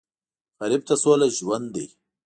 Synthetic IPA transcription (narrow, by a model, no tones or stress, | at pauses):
faɾɪb̚t̪asoːlaʒwand̪ːḭ